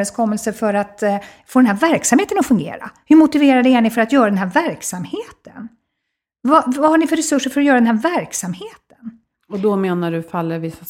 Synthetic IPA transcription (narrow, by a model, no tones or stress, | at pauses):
ɛnskʰɔmːɛlsəfœɾat̪foːd̪ɛnɦæːɾvæɾksamheːt̪ənɔfɵŋɡḛːɾa̰hɵɾmʊt̪ɪveːɾad̪ɛæɳɪfœɾat̪jœːɾad̪ɛnɦæːɾvæɾksamheːt̪ʰən | vavahaɳɪfœɾɛsɵʂːəɾfœɾɔjœːɾad̪ɛnɦæɾvæɾksamheːt̪ə̥n | ɔd̪ɔmeːnaɖɵfalːəɾvɪsːa